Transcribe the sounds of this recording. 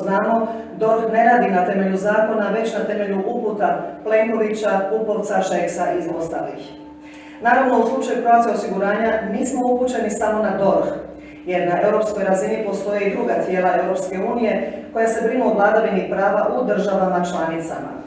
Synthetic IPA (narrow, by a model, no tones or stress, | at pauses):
naːmo̞ | d̪o̞ɾxne̞ɾaːd̪inat̪e̞me̞ʎuzaːko̞naʋe̞t͡ɕnat̪e̞me̞ʎuʔuput̪aple̞ŋko̞ʋit͡ɕaupolt̪saʃeksaʔizo̞st̪a̰lḭx | naɾaʋno̞uslˠut͡ʃajupɾoat̪io̞siɡuɾaːɲaniːsmo̞uput͡ɕe̞nisamo̞nad̪o̞ɾx | jed̪nae̞wɾo̞psko̞jɾazenipo̞st̪o̞jeid̪ɾuɡat̪je̞ːlˠae̞wɾo̞pske̞uːnije̞ko̞jase̞bɾinuuʋlˠad̪aʋinipɾaːʋaʔud̪r̩ʒaʋamat͡ʃlˠanit̪sa̰ma̰